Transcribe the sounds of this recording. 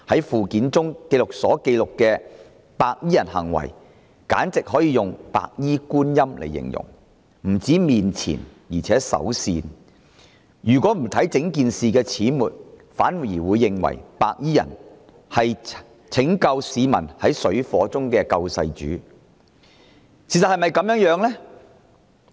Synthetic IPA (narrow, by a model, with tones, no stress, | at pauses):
hɐ˨˥jfuː˨kiː˨˥nt͡sʊ˥ŋke˧jlʊ˨k̚sɔː˨˥ke˧jlʊ˨kːɛː˧ | paː˧k̚jiː˥jɐ˨˩nhɐ̰˨˩ŋwɐ̰˨˩j | kaː˨˥nt͡sɪ˨k̚ɦɔː˨˥jiː˨˧jʊ˨ŋpa̰ː˧˨k̚jiː˥kuː˥njɐ˥mlḛ˨˩jːɪ̰˨˩ŋjʊ̰˨˩ŋ | m̩˨˩t͡siː˨˥miː˨nt͡sʰḭː˨˩njiː˨t͡sʰɛː˨˥sɐ̰˨˥wsḭː˧n | jyː˨˩kwʷɔː˨˥m̩˨˩t̪ʰɐ˨˥jt͡sɪ˨˥ŋkiː˨˧nsiː˨kɛː˧t͡sʰiː˨˥muː˨t̚faː˨˥nwu˨jiː˨˩wuː˨˧jːɪ˨ŋwɐ̰˨˩jpaː˧k̚jiː˥jɐ̰˨˩n | hɐ˨j | t͡sʰɪ˨˥ŋkɐ˧wsiː˨˧mɐ̰˨˩nhɐ˨˥jsɵ˨˥ɥfɔː˨˥t͡sʊ˥ŋkɛː˧kɐ˧wsɐ̰˧jt͡ʃy̰ː˨˥ | t͡sʰi˨˩s̬ɐ˨hɐ˨jmɐ˨jkɐ˨˥mjœː˨˥ŋjœː˨˥ŋlɛ˥